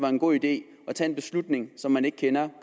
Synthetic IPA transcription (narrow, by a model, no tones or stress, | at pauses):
ʋɑ̈e̝nɡ̥o̝̰ːid̥e̝̰ː | ɒ̽t͡sʰɛ̰e̝nb̥e̝slud̥ne̝ŋsɒ̽mːæne̝ɡ̥̚kʰenɐk